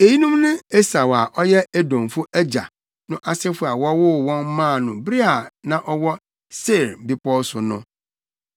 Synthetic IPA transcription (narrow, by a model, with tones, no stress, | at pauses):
e˨ji˦nũ˦mnɪ̃˦e˦sa˨wa˨ʔɔ˦jɛ˦e˦dɔ̃˨m˨fʊ˦æ˦d͡ʑa̰˨ | nʊ̃˦ʔa˨sɪ˦fʊ˦a˨wɔ˦wʊ˦wɔ̃˦n˦mãː˦˨nʊ̃˨bɾi˦a˨nã˦ʔɔ˦wɔ˦ | se˦˨ɾbi˦pɔ˦sʊ˨nʊ̰̃˦